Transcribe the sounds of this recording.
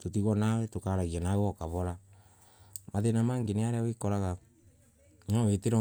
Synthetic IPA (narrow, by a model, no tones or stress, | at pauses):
totiɣɔnawɛtokaɾaɣianaewɔkaβɔɾa | maðenamaːŋɡeneaɾeawekɔɾaɣa | ɲaweteɾɔ